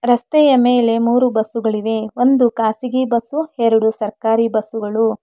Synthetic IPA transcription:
ɾɐst̪ɛjɐmeːle̞muːɾubɐsuɡɐɭiʋe̞o̞nd̪ukaːsiɡibɐsuheɾuɽusɐɾkaːɾibɐsuɡɐɭu

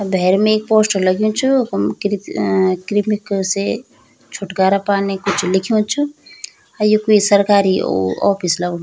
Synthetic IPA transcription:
bʱeːɾmeeːk̚poːsʈoləɡjũt͡ʃʰukɾkɾimikse | t͡ʃʰuʈɡaːɾapaːnekut͡ʃʰlɪkʰiũt͡ʃʰu | ajokuisəɾkaːɾio̰ɔ̰ːpʰisləɡ̃

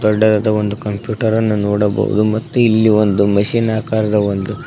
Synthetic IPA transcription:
d̪ɔɖːɐd̪ɐd̪ɐʋond̪ukɐmpjuːʈɐɾɐnːunoːɽɐbɐ̰ʋṵd̪umɐt̪ːuilːiʋond̪umɐʃiːnaːkaːɾɐd̪ɐʋond̪u

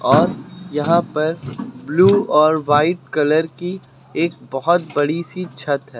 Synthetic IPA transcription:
ɔːɾjɐɦãpɐɾbluːɔːɾʋaːɪʈkɐləɾki | eːk̚bɐɦʊt̪bɐɽisit͡ʃʰɐt̪ɦɛː

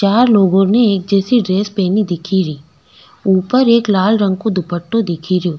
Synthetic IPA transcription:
t͡ʃaːɾloːɡõneeːk̚d͡ʒɛːsiɖɾeːspɛːnid̪ɪkʰiɾiː | uːpəɾeːklaːlɾə̃ŋɡ̚kod̪ʱʊpəʈːod̪ɪkʰiɾijoː

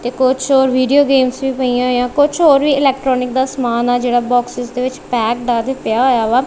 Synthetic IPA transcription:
t̪eːkʊt͡ʃʰoːɾʋiːɖioːɡeːmsʋiːpəiːãːɦjãːkʊt͡ʃʰoːɾʋiːɪlɛːk̚ʈɾɔːnɪk̚d̪aːsəmaːnaːd͡ʒeːɽaːbɔːksɪzd̪eːʋɪt͡ʃpɛːkɖaːd̪eːpɪjaːɦoːjaːʋaː

